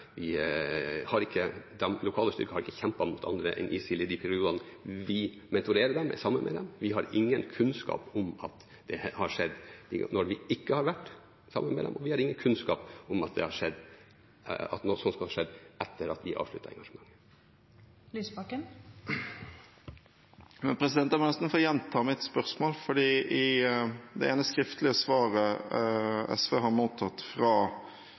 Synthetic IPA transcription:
ʋɪ | hɑɾɪkːəd̪ɛmlʊkʰɑːləst̪ʏ̰ɾkəhɑɾɪkːəçɛmpɑmʊt̪ʰɑ̰nd̪ɾəʔɛ̰nʔɪsiːlɪd̪ɪpʰɛɾɪuːd̪ɑnəʋɪ | mɛnt̪ʊɾeːɾəd̪ɛmɛ̰sɑmːənmʔɛ̰d̪ɛ̰mʋɪɦɑɾɪŋːənkʰʉnskɑ̰ːpɔmɑt̪ | d̪̥ɛhɑʂɛd̪ːd̪ɪ̰nɔɾʋɪɪkːəhɑɾʋæʈː | sɑ̰mːənmɛ̰d̪ɛ̰mʔɔʋɪhɑɾɪŋːənkʰʉnskɑ̰ːpʊmɑt̪̚d̪ɛ̰hɑʂɛd̪ː | ɑ̰t̪nɔsɔnskɑhɑʂɛd̪ːʔɛt̪ːəɾɑt̪d̪ɪʔɑ̰ːʋʂlʉt̪ːəɾɛ̰ŋɡɑʂəmɑŋːə | lyːsbɑkən | mɛnpʰɾɛsɪd̪ɛnt̪æmɑnɛst̪n̩foːɾjɛnt̪ʰɑːmɪt̪spœʁsmoːlfɔɖiːʔɪ | d̪ɛ̰ɛːnəskɾɪft̪lɪəsʋɑːɾə | ɛ̰sʋeːɦɑɾmuːt̪ʰɑt̪fɾɑː

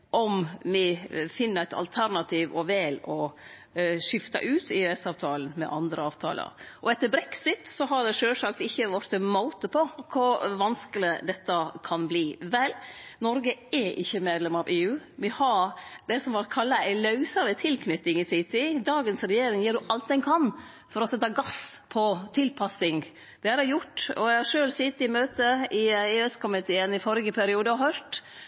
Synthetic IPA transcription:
ʔɔmmɪfɪnːəɾæɪt̪ɑ̰lt̪ʰæɾnɑt̪ʰiːʋɔʋɛːlɔ | ʂɪft̪ɑ̰ʔʉːt̪ɪøɛsɑːʋt̪ʰɑːlən̩mɛ̰ʔɑnd̪ɾəɑːʋt̪ʰɑ̰ːlə̰ɾʔɔɛt̪ːəɾbɾɛksɪt̪sɔɦɑɖ̪ɛʂøːlsɑkt̪ɪçːəʋɑɾt̪əmaʊt̪əpʰɔkʰʊʋɑnskəlɪd̪ɛt̪ːɑkʰɑnbliːʋɛlnɔɾɡəɛʔɪ̰çːəmeːd̪lɛmɑʋʔeːʉːʋɪhɑɾd̪ɛsɔmʋɑɾkʰɑlːɑæɪlɑʉsɑɾət̪ʰɪlkʰnʏt̪ːɪŋɪsɪt̪ɪd̪ɑːɡənsɾɛjeːɾɪŋjiːɖʉʔɑlt̪̚d̪ɛnkʰɑn | fɔɾɔsɛt̪ːɑɡɑspʰɔt̪ʰɪlpʰɑsɪŋ | d̪̥ɛæɾɛjʊʈːɔ̰æɪhɑʂøːlsɪt̪ɪmøːt̪əɪeːɛskʊmɪt̪ʰeːənɪfɔɾɡəpʰæɾɪuːd̪əhœɾʈ

